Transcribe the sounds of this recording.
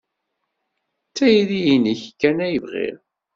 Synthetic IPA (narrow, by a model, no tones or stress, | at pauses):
t͡sːæjðijiniçkːænæjəvʁḭɾ